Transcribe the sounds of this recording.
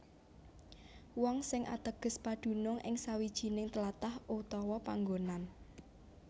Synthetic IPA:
wɔŋsɪŋʔa̰t̪əɡ̥ə̤spaɖ̪̥ṳnʊŋʔɪ̰ŋsawid̥ʒ̥i̤nɪŋt̪əlat̪ahʔut̪ɔwɔpaŋɡonan

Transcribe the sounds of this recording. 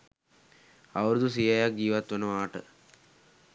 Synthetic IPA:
aʋəɾud̪usijajak̚ɡiːʋat̪ʋənəʋaːʈə

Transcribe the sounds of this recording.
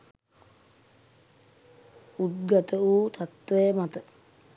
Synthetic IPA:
ut̪̚ɡat̪əuːt̪ʰat̪ʋejəmat̪ə

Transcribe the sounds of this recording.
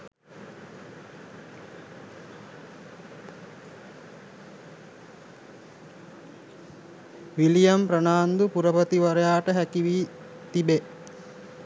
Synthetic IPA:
ʋilijɐmprənaːnd̪upuɾəpət̪iʋɐɾəjaːʈəɦækiʋiː | t̪ibe

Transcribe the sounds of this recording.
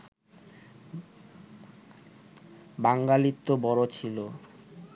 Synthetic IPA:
baŋɡalit̪ːobɔɽot͡ɕʰilo

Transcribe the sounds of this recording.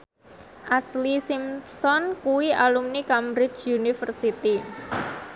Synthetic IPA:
ʔaslisimsɔnkuwiʔalumnikamɾɪt͡ʃunifərsit̪i

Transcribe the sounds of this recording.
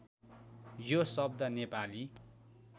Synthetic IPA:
josʌb̚d̪ʌnepali

